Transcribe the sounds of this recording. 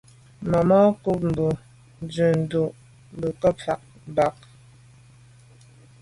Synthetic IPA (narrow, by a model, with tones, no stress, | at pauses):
mɔ˨mɔ˦ku˦p̚m̩˨bu˨ | n˨˦d͡zʉ˨n̩˨du˨ʔ | m˨bə˨kɔ˦fa˨k̚ | m˨ba˨k̚